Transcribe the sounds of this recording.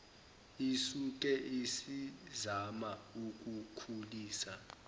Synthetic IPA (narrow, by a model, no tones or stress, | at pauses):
isuk̬ʼɛʔisizamauk̬ʼukʰuliːsa